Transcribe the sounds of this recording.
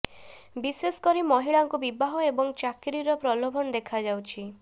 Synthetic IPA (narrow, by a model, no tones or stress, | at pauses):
biseskɔɾimɔɦiɭaŋkubibaɦɔebɔŋt͡ʃakiɾiɾɔpɾɔlobʱɔnɔd̪ekʰad͡ʒawt͡ʃʰi